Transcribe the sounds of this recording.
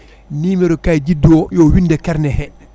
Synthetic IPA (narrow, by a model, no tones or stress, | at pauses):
niːmiɾɔkajd͡ʒidːiwɔjɔːwindɛkɛɾnɛhɛ